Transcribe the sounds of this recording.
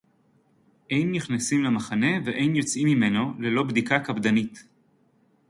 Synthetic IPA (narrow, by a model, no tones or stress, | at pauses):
ʔejnːiχnasimlemaχane̞veʔe̞jnjo̞t͡simime̞nole̞lo̞bd̪ikakabd̪anit